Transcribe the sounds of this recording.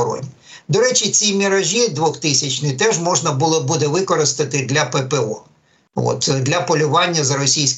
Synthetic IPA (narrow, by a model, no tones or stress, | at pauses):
ɾɔ̰nʲi | d̪ɔɾɛt͡ʃit͡sʲimʲiɾɐʒʲid̪ʋɔxt̪ɪsʲɐt͡ʃnɪt̪ɛʒmɔʒnɐbulˠɔbud̪ɛʋɪkɔɾɪst̪ɐt̪ɪd̪lʲɐpɛpeɔ̰ | ɔ̰t̪d̪lʲɐpɔlʲʊʋɑnʲːɐzɐɾɔsʲijsʲ